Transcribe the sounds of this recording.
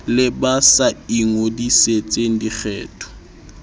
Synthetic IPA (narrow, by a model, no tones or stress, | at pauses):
lɪbasaiŋodiset͡sʼen̩dik͡xʰɛ̰ːtʰʼɔ̥